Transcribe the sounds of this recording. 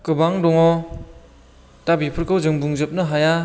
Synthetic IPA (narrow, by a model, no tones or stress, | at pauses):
kɯbaŋdɔŋɔ | tabipʰɯɾkʰɯwzɯŋbuŋzɯp̚nɯɦaja